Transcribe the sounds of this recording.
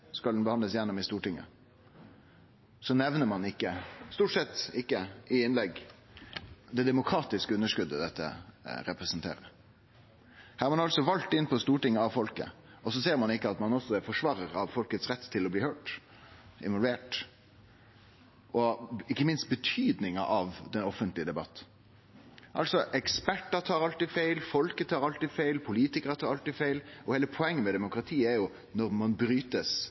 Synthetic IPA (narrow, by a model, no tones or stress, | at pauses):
skɑld̪n̩bəhɑnləsjɛnːʊmɪst̪uːʈɪŋːə̰ | sɔnɛʋnəɾmɑnɪkːəst̪uːʈsɛt̪ːɪkːəʔɪɪnlɛɡ | d̪ɛd̪ɛmʊkʰɾɑːt̪ɪskəʉnːəʂkʉd̪ːəd̪ɛt̪ːə̰ɾɛpɾəsənt̪ʰḛːɾə̰ɾ | hæːɑɾmɑnɑlsɔʋɑlt̪ːɪnːpʰɔst̪uːʈɪŋːəɑʋfɔlkə̰ɔsɔseːɾmɑnɪkːəɑt̪mɑnɔsːɔfɔʂʋɑːɾəɾɑʋfɔlkət̪sɾɛt̪ːt̪ʰːɪlɔbliːhøːʈ | ʔɪ̰nʋɔlʋeːʈ | ʔɔɪkːəmɪnst̪̚bət̪ʰyːd̪nɪŋɑ̰ʔɑʋd̪ɛnɔfənt̪lɪəd̪ɛbɑt̪ː | ʔɑ̰lsɔʔɛkspæʈːət̪ʰɑːɾɑlt̪ifeɪlfɔlkət̪ʰɑːɾɑlt̪ifeɪlpʰʊliːt̪ɪkəɾət̪ʰɑːɾɑlt̪ɪːfeɪlʔɔheːləpʰɔɛŋːənmɛd̪ɛmʊkɾɑt̪ʰiːəæɾjʊ | nɔɾmɑnbɾyːt̪əs